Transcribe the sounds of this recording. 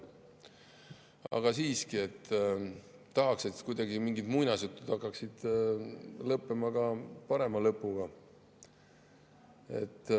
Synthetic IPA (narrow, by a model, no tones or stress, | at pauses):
ɑ̰ɡ̥ɑsiːskie̞t̪ː | t̪ːɑɦɑkse̞t̪kujd̪ɑɡimiŋɡid̪̥mujnɑsjut̪ːˑud̪̥hɑkˑːɑksid̪̥ | lɤpːemɑɡ̥ɑpɑɾe̞mɑlɤpːˑuɡ̥ɑ | e̞̰t̪ː